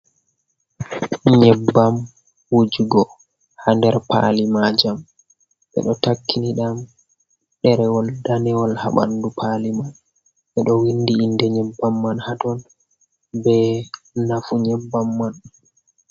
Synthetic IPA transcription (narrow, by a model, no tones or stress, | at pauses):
ɲɛbːam | wud͡ʒuɡɔ | handɛɾpa̰limad͡ʒam | ʔɛ̰ɗɔtakːiniɗam | ɗɛɾɛwɔldanɛwɔlha̰ɓa̰ndupʰaliman | ʔɛɗɔwindiːndɛɲɛbːamːanhatɔn | bɛ | nafuɲɛbːamːan